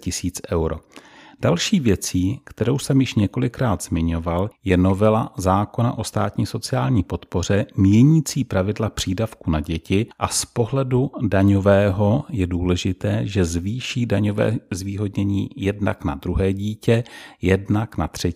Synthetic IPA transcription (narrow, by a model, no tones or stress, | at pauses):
cɪsiːt͡sʔɛwɾod̥alʃiːvjɛt͡siːkt̪ɛɾo̞wsɛmjɪʃɲɛko̞lɪkɾaːd̪z̥mɪɲo̞valjɛno̞vɛlazaːko̞na̰ʔo̞st̪a̰ːt̪ɲiːso̞t͡sɪaːlɲiːpot̪po̞r̝ɛmjɛɲiːt͡siːpɾavɪdlapr̝̥iːdafkunaɟɛcɪʔaspo̞ɦlɛdudaɲo̞vɛːɦo̞jɛduːlɛʒɪt̪ɛːʒɛzviːʃiːdaɲovɛ̰ːzviːɦo̞dɲɛɲiːjɛdna̰kna̰d̪ɾuɦɛːɟiːcɛjɛdnaknat̪r̥ɛ